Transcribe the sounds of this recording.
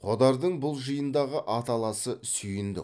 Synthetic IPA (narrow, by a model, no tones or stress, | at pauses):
qʰod̪ɑɾd̪əɴbʊlˠʒəjənd̪ɑʁəʔɑt̪ɑlˠɑsəsʏjɪnd̪ɪ̰